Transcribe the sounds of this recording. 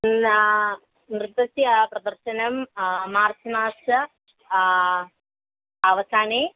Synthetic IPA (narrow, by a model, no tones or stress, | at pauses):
nrɨt̪ːɐsipɾɐd̪ɐɾʃɐnɐmmaːrsɐnaːsɐ | ɐʋɐsaːneː